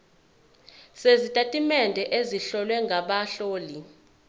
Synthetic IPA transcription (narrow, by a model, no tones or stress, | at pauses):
sezitʼatʼimɛndʱɛʔeziɬɔlwɛŋɡʱaɓaɬoːli